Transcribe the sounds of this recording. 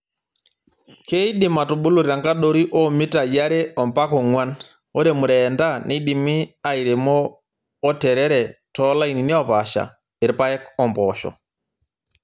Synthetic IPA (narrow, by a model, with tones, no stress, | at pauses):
ke˦i˦ɗi˨ma˨tu˨ɓu˦lu˨ɾa˨ŋɡa˦ɗo˦ɾi˦ʔɔ˦mi˦ta˨ja˦ɾɛ˦ɔmpa˦kɔ˨ŋwa˦n | o˦ɾɛ˨mu˨ɾɛnda˦ni˦ɗi˨mi˦a˨jɾɛ˨mɔː˦ | tɛɾɛ˦ɾɛ˨tɔla˦i˨ni˨ni˦ɔ˨paʃa̰˨ | e˨ɾpa˦jɛ˦kɔmpɔʃɔ̰